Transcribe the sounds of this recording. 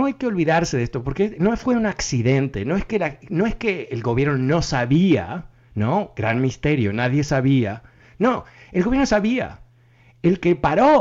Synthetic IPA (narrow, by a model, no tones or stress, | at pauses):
oajkeo̞lβiðaɾseðest̪o̞po̞ɾkenofwe̞unaksiðent̪eno̞eskelanoeskeːlɡo̞βje̞ɾnono̞saβia̰ | noɡɾanmist̪e̞ɾjo̞naðje̞saβia | noelɣoβjeɾnos̬aβia̰ | elkepaɾo